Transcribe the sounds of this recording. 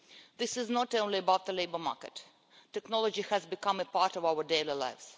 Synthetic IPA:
ðɪsɪznɔtõʊ̃nliəbaʊt̪̚ðəleɪbə˞mɑ̰ːɹkət | tːɛknɔlˠɔd͡ʒihæzbɪkʌ̃məpaɹtɔvawə˞deɪlila̰ɪvz̥

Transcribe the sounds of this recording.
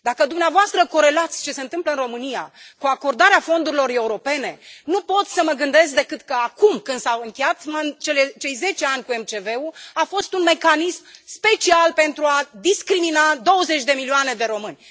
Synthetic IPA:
d̪akəd̪umneavoast̪ɾəko̞ɾe̞lat̪sʲt͡ʃe̞se̞ɨnt̪ɨmpləɨnro̞mɨnija̰kuako̞rd̪aɾeafo̞nd̪uɾilo̞re̞uɾo̞pe̞ne̞nupo̞t̪sʲsəməɡɨnd̪e̞skd̪e̞kɨt̪kəakumkɨnd̪sawɨŋkʲejat̪mant͡ʃe̞let͡ʃe̞jze̞t͡ʃe̞anʲkuemt͡ʃe̞ve̞uafo̞st̪unme̞kanismspe̞t͡ʃialpe̞nt̪ɾuad̪iskɾiminad̪o̞wəze̞t͡ʃʲd̪e̞milioane̞d̪e̞ɾo̞mɨnʲ

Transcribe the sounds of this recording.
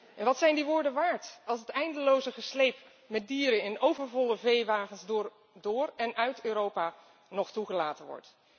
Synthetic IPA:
ʔɛnʋɑtsɛjndiʋʊːɹdəʋaːɹtɑlˠsətɛjndəlowzəχəslejp | mɛt̚diːɾənɪnowvəɹvɔləvejʋaːχəns | dʊːɹɛnʔœɥtøːɾowpaː | nɔχtuχəlaːtənʋɔ̰ɹt

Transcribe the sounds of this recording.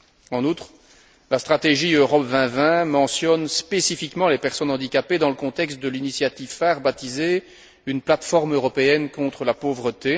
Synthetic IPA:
ɑ̃nut̪χ | last̪χat̪eʒiøʁɔpvɛ̃vɛ̃mɑ̃sjɔnspesifikmɑ̃lepɛʁsɔnɑ̃d̪ikʲaped̪ɑ̃ləkɔ̃t̪ɛkst̪̚d̪əlinisjat̪ivfɛʁbat̪ize | ynplat̪fɔʁmøʁɔpeɛnkɔ̃t̪χəlapovʁət̪e

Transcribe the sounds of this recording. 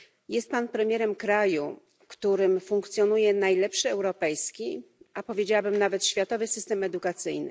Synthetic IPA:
jɛst̪̚panpɾɛmʲjɛɾɛmkɾaju | kt̪uɾɘmfuŋkt̪sʲjɔnujɛnajlɛpʂɘɛwɾɔpɛjskʲiapɔvʲjed͡ʑawabɘmnavɛt̪ɕfʲjat̪ɔvɘsɘst̪ɛmɛd̪ukat̪sɘjnɘ̰

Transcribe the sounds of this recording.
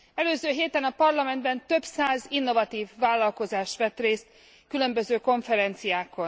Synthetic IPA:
ɛløːzøːɦeːt̪ɛnɒpɒrlɒmɛnd̪bɛnt̪ø̞bsaːzinːo̞vɒt̪iːvːaːlːɒlko̞zaːʃt̪ʋɛt̪reːst̪ | kylø̞mbøzøːko̞ɱfɛɾɛnt̪sijaːko̞n

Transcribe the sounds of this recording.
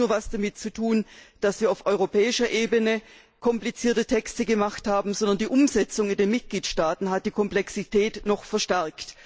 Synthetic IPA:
nuːɐvasd̥amɪt̚t͡sutʰuːnd̥asv̥iːɐaʊfʔɔʏʁopʰɛːɪʃɐʔeːbənə | kʰɔmplit͡siːɐtətʰɛkstəɡəmaχthaːbm̩zɔndɐndiːʔʊmzɛt͡sʊŋɪndeːnmɪt̚ɡ̥liːtʃtaːtn̩ɦat̚d̥iːkʰɔmplɛksitʰɛːtnɔχfɛɐʃtɛɐkt

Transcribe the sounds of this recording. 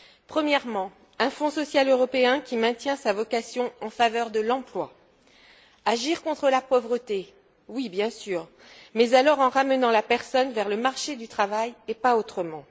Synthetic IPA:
pχəmjɛʁmɑ̃ | ɛ̃fɔ̃sɔsjaløʁɔpeɛ̃kʲimɛ̃t̪jɛ̃savɔkasjɔ̃ɑ̃favœʁd̪əlɑ̃plwa | aʒiʁkɔ̃t̪χəlapɔvʁət̪e | wibjɛ̃syːʁ | mɛzalɔʁɑ̃ʁamənɑ̃lapɛʁsɔnvɛʁləmaʁʃed̪yt̪χavajepaot̪χəmɑ̃

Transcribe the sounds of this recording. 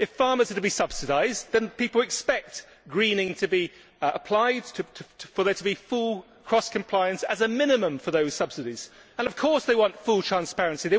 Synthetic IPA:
ɨfɑɹmə˞zəɾʰəbisʌb̥sɨɾaɪzðɨ̃npipl̩ˠɨkspɛk̚t | ɡ̥ɹĩnɪ̃ŋtʰɨbi | əpʰl̥aɪd̚tʰɨtʰfəðə˞ɾʰəbifulˠ | kʰɹ̥ɒskʰɨ̃m̩pʰl̥aɪɨ̃nsɨzəmɪ̃nɨmə̃ɱfə˞ðoʊz̥sʌb̥sɨɾiz̥ | ə̃nʌv̥kʰɔɹsðeɪwɑ̃ntfulˠtʰɹ̥æ̃nspɛɹɨ̃nsiðeɪ

